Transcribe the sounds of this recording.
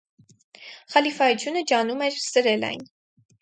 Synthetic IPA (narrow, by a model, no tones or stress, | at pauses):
χɑlifɑjut͡sʰjunəd͡ʒɑnumɛɾsəɾɛlɑ̰jn